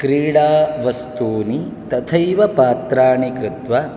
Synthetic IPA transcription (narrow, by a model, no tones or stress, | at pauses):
kɾiːɽaːʋɐst̪uːnit̪ɐt̪ʰɐjʋɐpaːt̪ɾaːɳikɾɪt̪ʋɐ